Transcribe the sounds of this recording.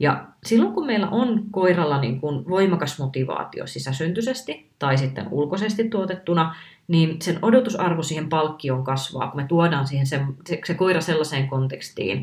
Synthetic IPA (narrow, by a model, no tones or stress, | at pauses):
jɑ̰silːoŋkummeilːæ̰ʔonkoirɑlːɑnḭŋkunʋoimɑkɑsmot̪iʋɑ̰ːt̪ḭo̰sisæsynt̪ysest̪i | t̪ɑisit̪ːḛnṵlkosest̪it̪tuot̪et̪ːunɑ | niːnsenodot̪usɑrʋosiːhempɑlkːioːŋkɑsʋɑ̰ːkumet̪uodɑːnsiːhensemse̥sekoirɑselːɑseːŋkont̪ekst̪ḭːn